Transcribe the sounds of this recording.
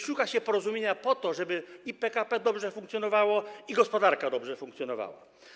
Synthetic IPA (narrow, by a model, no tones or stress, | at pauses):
ʂukaɕɛpɔɾɔzumʲjeɲapɔt̪ɔʐɛbɘipɛkapɛd̪ɔbʐɛfũŋkt̪ʲjɔnɔvawɔiɡɔspɔd̪aɾkad̪ɔbʐɛfũŋkt̪sʲjɔnɔva̰wa̰